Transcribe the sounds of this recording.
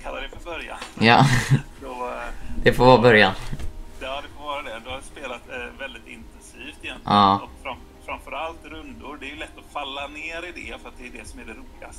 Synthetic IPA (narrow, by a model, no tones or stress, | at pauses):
kʰalːad̪ɛfœɾbœɾja̰njɑ̰ːdɔd̪̥ɛfɔɾvɑːbœɾjanjɑːd̪ɛfɔɾvɑːɾad̪ɛd̪ɛhaɾɪspeːlat̪vɛld̪ɪt̪ɪ̰nt̪ɛnsiːft̪ɛjɛnt̪lɑːɔkfɾam | fɾamfœɾalt̪ɾɵnd̪ʊɾɖɛæɾjɵlɛt̪ːɔfalːaneːɾɪd̪ɛfœɾat̪̚d̪ɛːɖɛsɔmæɖɛɾuːlɪɡast̪ə